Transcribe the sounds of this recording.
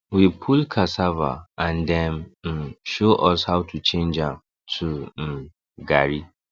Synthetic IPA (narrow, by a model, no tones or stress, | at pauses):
wipʰulkʰasava̰ãndɛ̃n̩ | ʃoʔɔshawtʰut͡ʃʰẽnd͡ʒãm | tʰum̩ | ɡaɹi